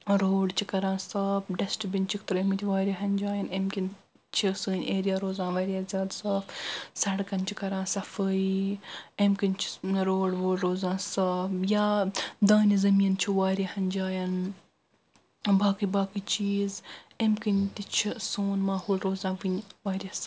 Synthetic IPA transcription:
ɾoːɽt͡ʃʰikɐɾãːnsaːbɖɐsʈbinʲt͡ʃʰikt̪ɨɾemit̪ʰʲiʋaːɾʲiɦɐnʲd͡ʒaːjɐnemkin | t͡ʃʰisɨːnʲeːɾijaːɾoːzãːnʋɐɾʲjaːzʲjaːd̪saːfsɐɽkɐnt͡ʃʰikɐɾãːnsɐfəi | emkinʲt͡ʃʰɾoːɽʋoːɽɾoːzãːnsaːbjaːd̪aːnizɐmiːɐnt͡ʃʰiʋaːɾʲihɐnʲd͡ʒaːjɐn | baːkɨbaːkit͡ʃiːzemkint̪it͡ʃʰisuːnmaːhoːlɾoːzãːʋɨnʲʋaːɾʲjɐs

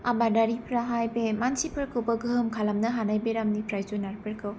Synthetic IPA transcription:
abadaɾipʰɾaɦajbemansipʰɯɾkʰɯwbɐɡɯɦɯmkʰalamnɐɦanajbeɾamnipɾajzunaɾpʰɯɾkʰɯw

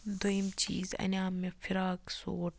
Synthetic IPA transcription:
d̪ojimt͡ʃḭːzɐ̰nʲaːmːefiɾaːksoːʈ

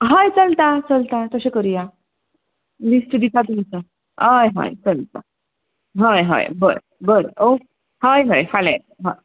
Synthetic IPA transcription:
ɦajt͡səlt̪at͡səlt̪at̪əsekəɾija | lisʈɖ̪it̪at̪umit͡sə | ajɦã̰jt͡səlt̪a | ɦajɦã̰jbəɾ | bəɾḛo | ɦajɦajfalatɦaj

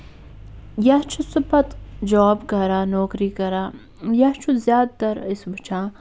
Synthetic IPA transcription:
jɐt͡ʃʰusupɐt̪d͡ʒɔːbkɐɾaːnɔːkɾiːkɐɾaː | jɐt͡ʃʰuzjaːd̪̚t̪ɐɾɪsbɐt͡ʃʰãː

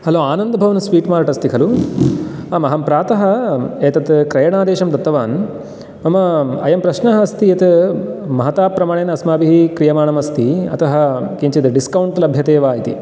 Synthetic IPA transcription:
hɐloːaːnɐnd̪ɐbʱɐʋɐnusʋiːʈmaːɾɐʈɐst̪ikʰɐlu | ɐmɐɦɐmpɾaːt̪ɐɦɐeːt̪ɐt̪kɾɐjɐɳaːd̪eːʃɐmd̪ɐt̪ːɐʋaːn | mɐmɐɐjɐmpɾɐʃnɐɦɐɐst̪ijɐt̪ | mɐɦɐt̪aːpɾɐmaːɳeːnɐsmaːbiɦikɾijɐmaːɳɐmɐst̪iɐ̰t̪ɐɦɐ̆kiɲt͡ʃit̪ɖiskɐwɳʈlɐbʱjɐt̪eːʋaːjit̪ḭ

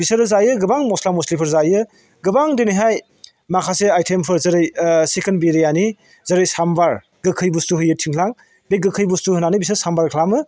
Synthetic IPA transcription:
bisɐɾɯzajɯɡɯbaŋmɔslamuslipʰɯɾzajɯ | ɡɯbaŋdeniɦaj | makʰaseajtʰempʰɯɾzɐɾɯjsekʰenbeɾijani | zɐɾɯjsambaɾ | ɡɯkʰɯjbustuɦɯjɯtʰiŋkʰlaŋ | beɡɯkʰɯjbustuhɯnanibis̬ɯɾsambaɾkʰlamɯ

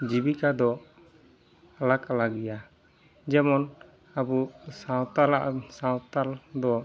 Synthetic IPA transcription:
d͡ʒibikad̪ɔ | alakalaɡija | d͡ʒɛmɔn | abusat̪aasawt̪ald̪ɔ

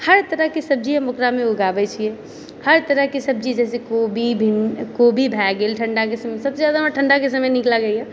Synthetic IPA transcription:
həɾt̪əɾəɦkesəb̚d͡ʒiɛ̃mʊkɾamẽuɡabɛt͡ʃʰijɛ | həɾt̪əɾəɦkesəb̚t͡ʃid͡ʒd͡ʒɛːsekobʱibʱinkobʱibʱɛɡelʈʰəɳɖakesəməjsəbsezjaːd̪aəʈʰəɳɖakesəməjniklaɡəjɦɛ̃

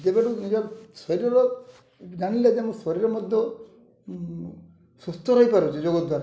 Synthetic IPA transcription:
d͡ʒebeɽunid͡ʒɔɾsɔɾiɾɔɾɔ | dañilad͡ʒemɔ̃sɔɾiɾɔmɔd̪ʱjɔ | sust̪ʰɔɾɔɦipaɾut͡ʃʰid͡ʒoɡɔd̪waɾa

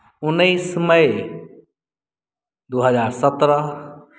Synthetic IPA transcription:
ʊnəisməe | d̪oːɦəzaːɾsət̪ɾə

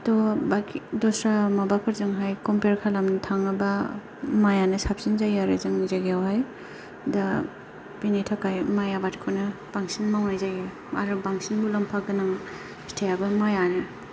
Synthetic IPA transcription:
tɔbakidɔsɾamabapʰɯɾzɯŋɦajkɔmpeɾkʰalamnɯtʰaŋɐba | majanɯsap̚sinzajaɾḛzɯŋzaɡeawhaj | da | pinetʰakajmajabatkʰɔnɯpaŋsinmaŋajzajɡe | a̰ɾɯbaŋsinbulampʰaɡɯnaŋ | stʰejabɐmajanɯ

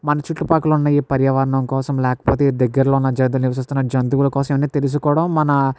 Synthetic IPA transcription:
mɐnɐt͡ʃiʈːupaːkulunːaːjipɐɾjɐʋɐɾɐɳɐmkɔːsɐmlɛːkɐ̥poːt̪ed̪ɐɡːɐɾloːnːɐd͡ʒɐnd̪̬ulniʋɐs̬ist̪unːɐd͡ʒɐnd̪uʋulɐkɔːsɐmeʋɐnːiːt̪e̞lus̬ukɔːɽɐmːɐnɐ

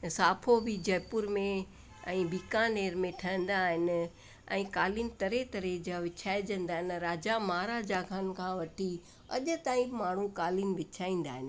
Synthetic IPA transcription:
saːpʰobid͡ʑɐjpʊɾmẽ | ɛ̃ːbiːkaneːɾmẽʈʰɐə̃nd̪aːɦɪnɪ̆ | ɛ̰̃ːkaːlinɪ̆t̪ɐɾet̪ɐɾed͡ʑaʋɪt͡ɕʰaːɪd͡ʑə̃nd̪aːɦɪnɾaːd͡ʑamaːɾaːd͡ʑakʰankʰãːʋɐʈʰi | ɐ̰ʄʊ̆t̪aːĩmaːɳ̤ũkaːlinʋɪt͡ɕʰaːĩːn̆d̪aːɦɪnɪ

